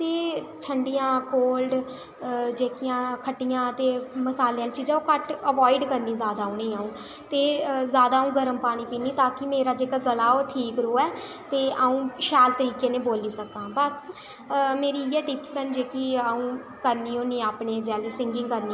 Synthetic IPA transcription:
t̪eːt͡ʃʰəɳɖijãːkoːlɖ | d͡ʒeːkɪjãːkʰəʈːijãːt̪eːməsaːleːãːt͡ʃiːd͡ʒãːõkəʈəʋɔːɪɖkəɾniːzjaːd̪aːũːnĩːaːũː | t̪eːzjaːd̪aːũːɡəɾəmpaːɽ̃iːpiːniːt̪ãːkɪmeːɾaːd͡ʒeːkaɡəlaːoːʈʰiːkɾoːɛː | t̪eːʔaːũːʃɛːlt̪əɾiːkeːnẽːboːliːsəkãːbəs | meːɾiːɛːɖɪpsənd͡ʒeːkiːaːũː | kəɾniːoːniːaːpneːd͡ʒɛːluːsɪ̃ŋɡɪ̃ŋkəɾniː

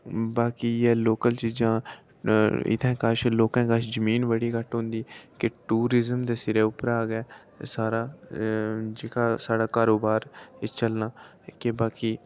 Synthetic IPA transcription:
baːkiːɛːloːkəlt͡ʃiːd͡ʒãː | ɪ̰t̪ʰɛ̃ːkaʃloːkãːkaʃd͡ʒəmiːnʋəɽiːkəʈɦʊ̃ːnd̪iːkɪʈuːɾɪzəmd̪eːsɪɾeːʊpəɾaːɡɛː | saːɾaː | d͡ʒekaːsaːɖaːkaːɾoːbaːɾt͡ʃəlnaː | kebaːkiː

